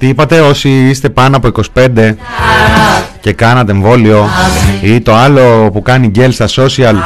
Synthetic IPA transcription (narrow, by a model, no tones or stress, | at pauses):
t̪iipɐt̪e̞o̞siist̪e̞pɐnoɐpo̞iko̞si̥pe̞nd̪e̞ | ce̞kɐnɐt̪eeɱvo̞lio̞it̪o̞ɐlo̞pukɐniɟe̞lsɐso̞siɐl